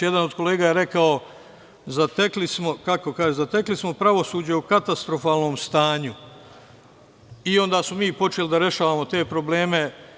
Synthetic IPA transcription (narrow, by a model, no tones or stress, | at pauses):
jed̪anod̪ko̞leːɡajeɾe̞kao | zat̪eklismo̞kako̞kaːʒezat̪eklismo̞pɾaʋo̞suːd͡ʑeukat̪ast̪ɾo̞faːlno̞ːmst̪aːɲu | io̞nd̪aːsmomiːpo̞t͡ʃelid̪aɾje̞ʃaːʋaːmo̞t̪e̞ːpɾo̞ble̞ːme̞